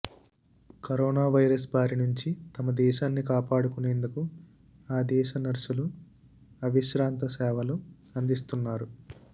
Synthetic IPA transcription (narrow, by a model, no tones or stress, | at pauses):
kɐɾoːnaːʋɐjɾɐs̬baːɾinuɲt͡ʃit̪ɐmɐd̪ɛːʃaːnːikaːpaːɽukuneːnd̪uku | aːd̪ɛːʃɐnɐɾʃulu | ɐʋiʃɾaːnt̪ɐsɛːʋɐlu | ɐnd̪is̬t̪unːaːɾu